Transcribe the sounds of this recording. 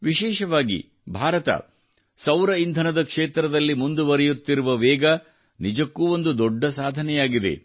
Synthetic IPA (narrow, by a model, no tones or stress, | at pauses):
ʋiʃɛːʃɐʋaːɡḭ | bʱaːɾɐt̪ɐ̰ | sɐwɾɐind̪ʱɐnɐd̪ɐkʂeːt̪ɾɐd̪ɐlːimund̪uʋɐɾɛjut̪ːiɾuʋɐʋɛːɡɐ | nid͡ʒɐkːuːo̞nd̪ud̪ɔɖːɐsaːd̪ʱɐnɛjaːɡid̪ḛ